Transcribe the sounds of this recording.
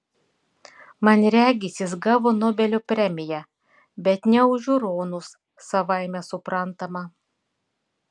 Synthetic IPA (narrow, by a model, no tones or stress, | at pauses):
mɐnɾʲæːɡʲɪsʲɪs̬ɡɑʋonɔːbʲɛlʲupʲɾʲɛmʲɪjɛ | bʲɛt̪nʲɛʊʒʲʊɾoːnʊs | sɐʋɐɪmʲɛsʊpɾɐnt̪ɐmɐ